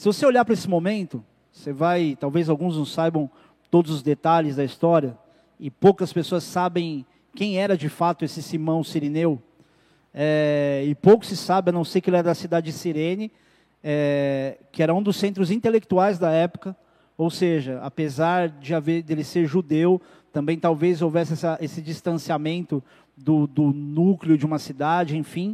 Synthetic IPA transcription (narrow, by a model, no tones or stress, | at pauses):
sɪvoseoʎapɾɐesɪmõmẽnt̪ʊ | sevajt̪awvezawɡũznɐ̃w̃sajbɐ̃w̃ | t̪od̪ʊzʊzd̪et̪aʎɪzd̪ɐist̪ɔɾiɐ | ɪpowkɐspesoɐsːabẽj̃ | kẽj̃ɛɾɐd͡ʒɪfat̪ʊesɪsimɐ̃w̃siɾinew | ɛɪpowkʊ̥sɪsabɪ̃nɐ̃w̃sejkɪelɛɾɐd̪ɐsid̪ad͡ʒɪsiɾẽnɪ | ɛ | kɪɛɾɐũd̪ʊsːẽnt̪ɾʊzĩnt̪elek̚t̪uajzd̪ɐɛpʊ̥kɐ | owseʒɐa̰pezaɾd͡ʒɪaveɾd̪elɪseɾʒud̪ew | t̪ɐ̃mbẽj̃t̪awvezowvɛsɪɛsɐʔesɪd͡ʒist̪ɐ̃siamẽnt̪ʊ | d̪ʊd̪ʊnuklɪʊd͡ʒɪũmɐsid̪ad͡ʒɪẽj̃fĩ